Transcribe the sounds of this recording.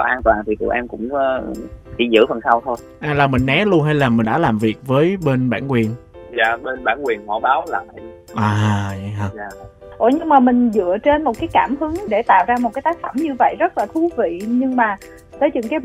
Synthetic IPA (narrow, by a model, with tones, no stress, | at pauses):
kɔ˨˦ʔaː˧nt̪waː˨˩nt̪ʰi˨˩t̪ṵ˧˨˩ʔɛː˧nkʊ̰˧˥ŋ͡mt͡ɕḭ˧˩˦zɨ̰˧˥fə˨˩nsa˧wt̪ʰo˧j | ʔaː˧˩laː˨˩mï˨˩ŋ̟ʔɛ˨˦lu˧ənɦa˧jlaː˨˩mï˨˩ŋ̟ɗa̰ː˧˥laː˨˩mvi˨˩ək̚vəː˨˦jɓe˧nɓaː˧˩nkwi˨˩ən | za̰ː˧˨ɓe˧nɓaː˧˩nkwi˨˩ənhɔ˧˩ɓaː˨˦wlaː˨˩ma˨˧˦ji˧˩ | ʔaː˨˩a̰˧˩ɦəː˧˩aː˧˨ | ʔo˧˨˩jɲɨ˧ŋmaː˨˩mï˨˩ŋ̟zɨ̰˧˨ət͡ɕe˧nmo˨˩t̚kaː˨˦jkaː˧˩mhɨ˨˦ŋɗe˧˩t̪a̰ː˧˨wzaː˧mo˨˩t̚kaː˨˦jt̪aː˦k̚fə˧˩mɲɨ˧və̰˧˨jzə˦˥t̚laː˨˩t̪ʰu˨˦vḭ˧˨ɲɨ˧ŋmaː˨˩ | t̪əː˨˦jɲɨ̰˧˥ŋkaː˨˦j